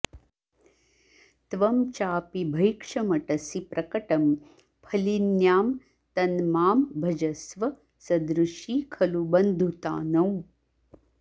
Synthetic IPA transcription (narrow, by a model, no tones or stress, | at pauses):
t̪ʋɐmt͡ʃaːpibʱɐjkʂɐmɐʈɐsipɾʔɐkɐʈɐm | pʰɐlinjaːm | t̪ɐnmaːmbʱɐd͡ʒɐsʋɐ | sɐd̪ɾuʃiːkʰɐlubɐnd̪ʱut̪a̰ːnɐw